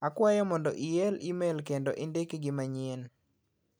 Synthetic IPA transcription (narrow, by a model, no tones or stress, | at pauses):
akwajɔmɔndɔ̰ʔiɛlimelkendɔʔendekɡɪmaɲen